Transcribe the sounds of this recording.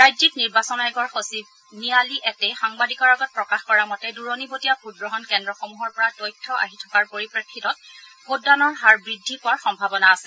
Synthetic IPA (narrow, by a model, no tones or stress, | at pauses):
ɹajzikniɹbasɔnaɛɡɔɹxosib | nialiʔɛtɛxaŋbadikɔɹaɡɔt̚pɹɔkaxkɔɹamɔtɛduɹonibotijabʰʱud̚ɡɹɔɦɔnkɛndɹɔxomuɦɔɹpɔɹatɔjtʰːɔʔa̰ɦitʰɔ̥kaɹpoɹipɹɛkʰːitɔt̚bʰoddanɔɹɦaɹbɹidʱːipʊaɹxɔmbʱabɔnaːsɛ